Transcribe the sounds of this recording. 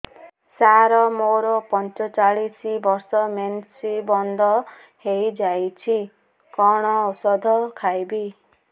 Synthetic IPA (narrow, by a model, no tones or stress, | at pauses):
saɾɔmoɾɔpɔnt͡ʃɔt͡ʃaɭisibɔɾsɔmensibɔnd̪ʱɔ | hejd͡ʒajt͡ʃʰi | kɔɽ̃ɔɔsɔd̪ʱɔkʰajbi